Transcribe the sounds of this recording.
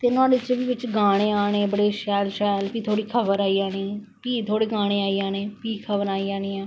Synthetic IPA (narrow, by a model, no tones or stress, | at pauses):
t̪eːnʊãːdɪt͡ʃːbiːʋɪt͡ʃɡaːɽ̃eːaːɽeːbəɽeːʃɛːlʃɛːlpiːt̪ʰoːɽiːkʰəbəɾaːiːaːnĩː | piːt̪ʰoːɽeːɡaːɽ̃eːaːiːaːneːpiːkʰəbəɾaːiːaːniːɛ̃ː